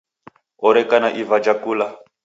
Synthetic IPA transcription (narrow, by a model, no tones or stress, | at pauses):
ɔɾɛkanaʔivad͡ʒakuːla